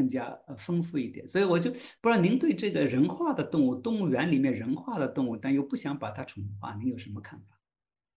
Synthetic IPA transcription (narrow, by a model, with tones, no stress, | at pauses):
ɤ˥˩ŋt͡ɕja̰˥ə˧fə˥ŋfu˥˧i˥˩t̪jɛ˨˩˦nswɔ˧˥i˧˥wɔ˨˩t͡ɕjo˥˩ʊpɻɑ˥˩ʊni˧˥ŋt̪we˥˧ɪʈ͡ʂɤ˥˩ɡə˩ɻə˧˥nxwa˥˩d̪ə˩t̪ʊ˥˧ŋu˥˩t̪ʊ˥˧ŋu˥˩ɥɛ˧˥nli˨˩mjɛ˥˩nɻə˧˥nxwa˥˩d̪ə˩t̪ʊ˥˧ŋu˥˩t̪a˥˧njo˥˧ʊpu˥˩ɕjɑ˧˥ŋpa˨˩t̪ʰa˥ʈ͡ʂʰʊ˧˥ŋxwa̰˥˩ni˧˥ŋjo˨˩ʊʂə˧˥nmə˧kʰa˥˩nfḁ˨˩